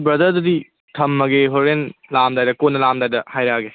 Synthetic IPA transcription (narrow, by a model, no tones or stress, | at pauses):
bɾɐd̪ɐɾdɐdi | tʰɐmːɐɡeɦoɾenlamdajdɐkonːɐlamdajdɐhajɾaɡe